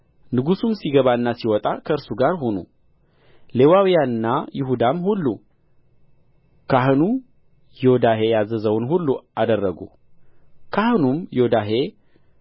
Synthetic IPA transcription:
nɨɡusumsiɡəβaɨnːasiwɔt̪ʼakʰəɨɾsuɡaɾɦonṵ | le̞wawijaɨnːajɪɦud̪amhulːu | kʰaɦɨnu | jod̪aɦe̞jazəzəwnɦulːuad̪ərːəɡṵ | kʰahɨnumjod̪aɦe̞

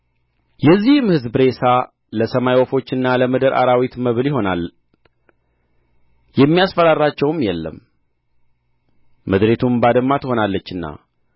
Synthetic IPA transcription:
jɛzːihmhɨzbɾe̞sa | ləsəmajwofo̞t͡ʃːɨnːaləməd̪əɾʔa̰ɾawit̪məβljɪɦo̞nal | jɛmːijasfəɾaɾat͡ʃːɛwmjɛlːə̰m | əd̪ɾe̞t̪ʰumbad̪əmːat̪ho̞nalːət͡ʃːɨnːa̰

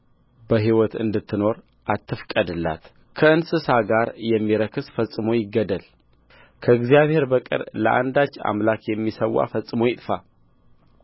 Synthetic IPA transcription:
bəɦiwɔt̪ɨ̰nd̪ɨt̪ʰːɨno̞ɾ | ʔat̪ʰːɨfkʼəd̪ɨlːa̰t̪ | kʰəɨnsɨsaɡaɾjɛmːiɾəkʰɨsfəsʼɨmo̞jɪɡːəd̪əl | kʰəɨɡzijaβhe̞ɾbəkʼɨ̰ɾlə̰ʔa̰nd̪at͡ʃːa̰mlakjɛmːisəwːa̰fəsʼːɨmo̞jɪt̪ʼfa

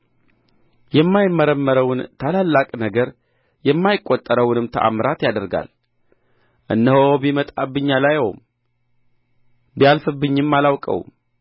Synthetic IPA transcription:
jɛmːajɪmːəɾəmːəɾəwnt̪ʰalalːakʼnəɡəɾ | jɛmːajɪkʼːot̪ʼːəɾəwnɨmt̪ʰəʔa̰mɾat̪jad̪əɾɡa̰l | ʔɨnːəhoobimət̪ʼabːɨɲːalajɛwm | bijalfɨbːɨɲːɪmːalawkʼə̰w̰m

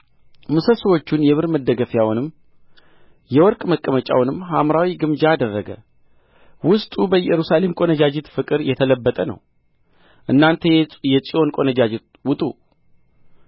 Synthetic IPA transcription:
mɨsəsəwo̞t͡ʃːunjɛβɨɾməd̪ːəɡəfjawunɨm | jɛwɔɾkʼməkʼːəmət͡ʃʼa̰wnɨmːɦamɾawiɡɨmd͡ʒaːd̪ərːəɡə̰ | wʊst̪ʼubəjɛɾusale̞mkʼo̞nəd͡ʒad͡ʒɪt̪fɨkʼɨɾjɛt̪ʰələbːət̪ʼənə̰w | ʔɨnːant̪ʰejɛt͡ʃʼiʔo̞nkʼo̞nəd͡ʒad͡ʒɪt̪ | wʊt̪ʼu

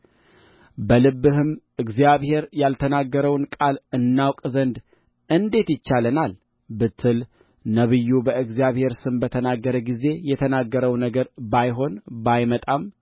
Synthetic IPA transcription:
bəlɨβːɨɦɨm | ɨɡzijaβhe̞ɾjalt̪ʰənaɡːəɾəwnkʼalɨnːawkʼzənd̪ | ɨnd̪e̞t̪jɪt͡ʃːalənal | bɨt̪ʰːɨl | nəβɨjːubəʔɨɡzijaβhe̞ɾsɨnbət̪ʰənaɡːəɾəɡize̞jɛt̪ʰənaɡːəɾəwnəɡəɾbajɦo̞nbajmət̪ʼam

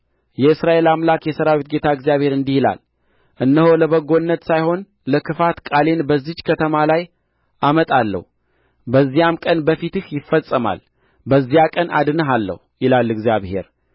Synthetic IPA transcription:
jɛɨsɾaʔe̞lamlakjɛsəɾawit̪ɡe̞t̪ʰaɨɡzijaβhe̞ɾɨnd̪ihila̰l | ʔɨnːəho̞ləβəɡːo̞nːət̪sajho̞n | ləkʰɨfat̪kʼale̞nbəzːit͡ʃːkʰət̪ʰəmalaj | ʔamət̪ʼalːə̰hu | bəzːijamkʼənbəfit̪ɨhjɪfːəsʼːəma̰l | bəzːijakʼənʔa̰d̪ɨnəɦalːə̰hujɪlalːɨɡzjaβhe̞̰ɾ

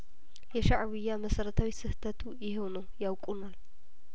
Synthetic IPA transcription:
jɛʃaʕβɨjːaməsəɾət̪ʰawisɨht̪ʰət̪ʰujɪɦo̞nəwjawkʼunal

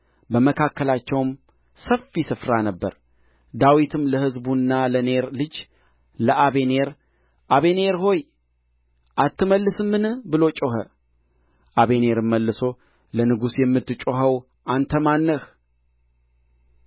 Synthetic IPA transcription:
bəməkʰakːəlat͡ʃːɛwm | səfːisɨfɾanəbːə̰ɾ | d̪awit̪ʰɨmləhɨzbunːaləne̞ɾlɨd͡ʒ | ləʔaβe̞ne̞ɾ | ʔaβe̞neɾho̞j | ʔat̪ːɨməlːɨsɨmːɨnɨhbɨlo̞t͡ʃʼoɦə | ʔaβe̞ne̞ɾɨmːəlːɨso̞ | lənɨɡusjɛmːɨt̪ːɨt͡ʃʼoɦəw | ʔant̪ʰəmanːəh

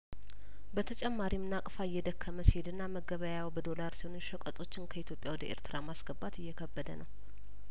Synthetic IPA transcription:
bət̪ʰət͡ʃʼɛmːaɾimnakʼfaɪjːɛd̪əkʰːəməsihed̪ɨnːaməɡəβəjawbəd̪o̞laɾsihonnʃəkʼət̪ʼo̞t͡ʃːɪnkʰəit̪ʰjo̞pʼjawɔd̪əʔḛɾt̪ʰɨɾamasɡəbːat̪ɨjːɛkʰəbːəd̪ənəw

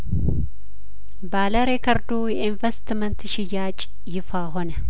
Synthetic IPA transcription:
baləɾekʰəɾd̪ujɛinvest̪mənt̪ʃɪjːat͡ʃʼ | jɪfaɦonə

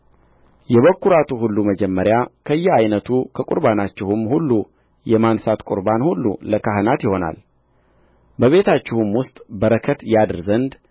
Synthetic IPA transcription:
jɛβəkʰːuɾat̪ʰuɦulːuməd͡ʒɛmːəɾjakʰəɨjːɛajnət̪ʰukʰəkʷʼʊɾbanat͡ʃːɪhʊmhulːu | jɛmansat̪kʼʊ̰ɾbanhulːṵləkaɦɨnat̪jɪho̞na̰l | bəβe̞t̪ʰat͡ʃːɪhumwʊst̪ʼbəɾəkʰət̪jad̪ɨɾzənd̪

